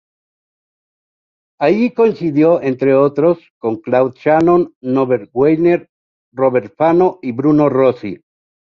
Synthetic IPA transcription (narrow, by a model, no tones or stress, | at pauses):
ajiko̞ĩnsiðjo̞ent̪ɾe̞ot̪ɾo̞sko̞ŋklawðʃanonːoβeɾɡwejneɾ | roβeɾfano̞iβɾuno̞rosḭ